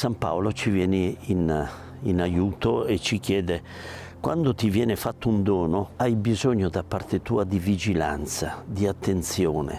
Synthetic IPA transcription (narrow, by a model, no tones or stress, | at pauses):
sampa̰wlot͡ʃivjɛːnɪin | inajuːt̪oet͡ʃːikjɛːd̪e | kwa̰nd̪ot̪ivjɛːnɪfat̪ːound̪ɔːnoajbizoɲːod̪apːart̪et̪uːad̪ivid͡ʒila̰nt̪sad̪iat̪ːent̪sjɔːnḛ